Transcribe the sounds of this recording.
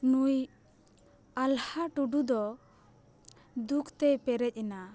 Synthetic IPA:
nuj | alhaʈuɖud̪ɔ | d̪ukt̪ɛpɛɾɛc̚ˀina

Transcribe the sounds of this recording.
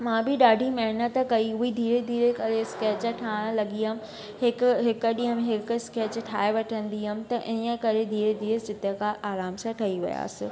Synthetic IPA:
mãbɪɗaːɖʱimɐɦɪnət̪kɐiʊɦid̪ʱiːɾed̪ʱiːɾekɐɾeskɛːt͡ɕəʈʰaːɽ̃əlɐɡiːəm̆ | ɦɪkɦɪkɗĩːɦəmẽɦɪkskeːt͡ɕʈʰaːeʋɐʈʰə̃nd̪iɦəmt̪ɐʔɪ̃ə̃kɐɾed̪ʱiːɾed̪ʱiːɾəsd͡ʑɪt̪ekʰaʔaːɾaːmsãʈʰɐiʋɪ̰ja̰ːsɪ̰

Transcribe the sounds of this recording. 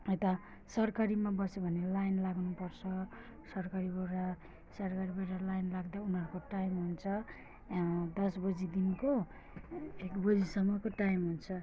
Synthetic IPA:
ʌjt̪a | sʌrkaɾimabʌsebʱʌnelajnlaɡnupʌrt͡sʰʌ | sʌrkaɾibʌɾa | sʌrkaɾibʌɾalajnlaɡd̪aunarkoʈajmɦunt͡sʰʌ | d̪ʌsbʌd͡zid̪inko | ekbʌd͡zisʌmːʌkoʈajmɦunt͡sʰʌ

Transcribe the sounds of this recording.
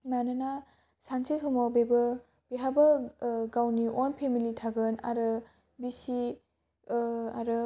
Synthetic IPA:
manɯna | sansesɔmɔbebɐ | b̥iɦabɐɡawniʔɔnpʰemilitʰaɡɯna̰ɾɯ | bisi | aɾɯ

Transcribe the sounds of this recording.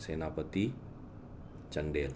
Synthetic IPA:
senapət̪i | t͡ʃəndɛl

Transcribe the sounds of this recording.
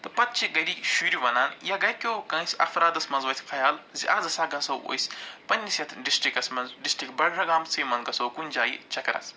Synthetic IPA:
t̪ɐpɐt̪̚t͡ʃʰiɡɐɾiʃuɾiʋɐnaːnjaːɡɐjkʲoːkɐ̃ːsʲɐ̰fɾaːd̪ɐsmɐnzʋɐsʰʲi̥kʰɐjaːlziʔaːzɐsaːɡɐnsɐwo̰sʲpɐnʲːisʲjɐt̪ʰɖisʈɾikɐsmɐnzɖisʈɾikbɐɽɽɐɡaːmt͡sijmɐnɡɐsɐwkunʲd͡ʒaːjḭt͡ʃɐkɐɾa̰ːs

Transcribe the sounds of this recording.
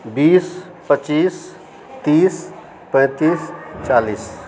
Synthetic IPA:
biːs | pət͡ʃiːs | t̪iːs | pɛ̃ːt̪iːst͡ʃaːliːs

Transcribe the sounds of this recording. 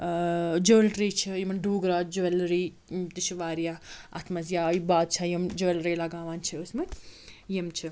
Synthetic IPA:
d͡ʒəːlɾiːt͡ʃʰijimɐnɖuːɡɾaːd͡ʒɐɐlɾiː | t̪iʃʰiʋaːɾjaːɐ̰t̪ʰmɐzjaːibaːd̪̚t͡ʃʰɐjɐmd͡ʒəlɾeːlɐɡaːʋaːnt͡ʃʰɐəsmɐt̪ʲjɐmt͡ʃʰi

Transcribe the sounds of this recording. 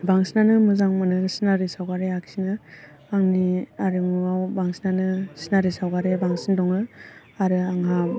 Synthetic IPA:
baŋsinanɯmɯzaŋmɯnɯsinaɾisawɡaɾeaksinɯ | aŋniaɾɯmɯawbaŋsinanɯsinaɾisawɡaɾebaŋsindɔŋɯ | aɾɯaŋɦa

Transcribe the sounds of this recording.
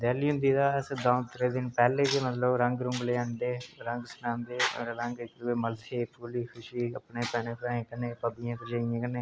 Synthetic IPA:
d̪ɛːliːɦʊ̃nd̪iːd̪aːɪsd̪aːnt̪ɪɾeːd̪ɪnpɛːleːd͡ʒemət̪ləbɾə̃ŋɡɾʊ̃ŋɡleːãnd̪eːɾə̃ŋɡsʊnãːnd̪eːɾɾə̃ŋɡɪkɾueːməlsʰeːpʰuːliːkʰʊʃiːə̰pneːpɛːneːpɾãːẽːkənːeːpəbijãːt̪əd͡ʒẽːẽːkəneː

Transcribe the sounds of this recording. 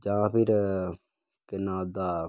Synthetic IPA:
d͡ʒãːpɪɾ | kənaːd̪aː

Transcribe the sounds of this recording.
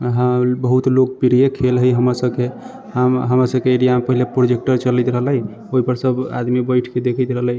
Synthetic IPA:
ɦəbəɦut̪lok̚piɾijekʰelɦəjɦəmasəb̚ke | ɦəmɦəmɾasəbkeeɾijamepəɦilepɾod͡ʒek̚ʈəɾt͡ʃələt̪ɾəɦələj | oɦipəɾsəba̰d̪mibəjʈʰked̪ekʰət̪ɾəɦələj

